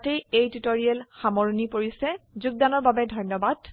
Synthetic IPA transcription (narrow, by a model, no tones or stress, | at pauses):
tejejtutoɹiɛlxamɔɹunipoɹisɛzuɡ̚danɔɹbabɛdʱɔjnɔbad̥